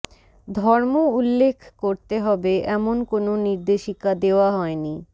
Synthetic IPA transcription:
d̪ʱɔɾmoulːekʰkoɾt̪eɦɔbeʔɛmonkononiɾd̪eʃikad̪eoaɦɔeni

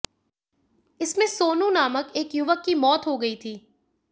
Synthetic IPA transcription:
ɪsmẽsoːnũnaːməkeːkjʊʋəkːimɔːt̪ɦoɡɐit̪ʰiː

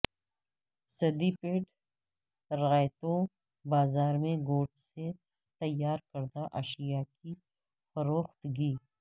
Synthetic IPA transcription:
sɐd̪ipeːɖ | ɾɐɣaːjt̪õ | baːzaːɾmẽɡoːʈse | t̪ɐjːaːɾkɐɾd̪aʔɐʃijaki | fɐɾoːxt̪ɡiː

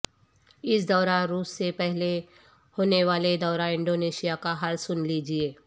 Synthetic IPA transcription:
ɪsd̪ɔːɾaːɾuːsːepɛɦle | hoːneʋaːled̪ɔːɾãːɪ̃ɳɖoːneːʃijakaɦaːlsʊnlid͡ʒieː

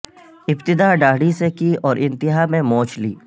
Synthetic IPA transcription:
ɪpt̪ɪd̪aɖaːɽisekiɔːɾʔɪ̃nt̪ɪɦamẽmɔ̃ːt͡ʃlḭː

